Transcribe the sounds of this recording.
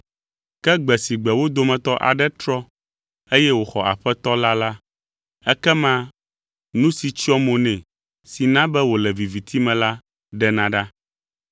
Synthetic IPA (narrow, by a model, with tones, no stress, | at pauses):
kɛ˦ɡ͡bɛ˨si˨ɡ͡bɛ˨wo˦d̪o˦mɛ̃˨t̪ɔ˦ʔa̰˨ɖɛ˦t̪ɾɔ˦ | e˦jɛ˦wo˨xɔ˨ʔa̰˨ɸɛ˦t̪ɔ˦la˦la˦ | ɛ˦kɛ˦mã˦ | nũ˦si˨t͡ɕi˦ɔ˦mõ˨nɛ̃˨ | si˨nã˦bɛ˦wo˨lɛ˨vi˨vi˨t̪ʰi˦mɛ̃˨la˦ | ɖɛ˦nã˨ɖa˦